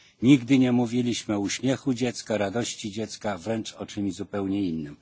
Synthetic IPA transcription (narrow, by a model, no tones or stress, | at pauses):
ɲiɡd̪ɘɲɛmuvʲilʲiɕmɘɔuɕmʲjɛxud͡ʑɛt̪skaɾad̪ɔɕt͡ɕid͡ʑɛt̪skavɾɛnt͡ʂɔt͡ʂɘmzupɛwɲɛinːɘm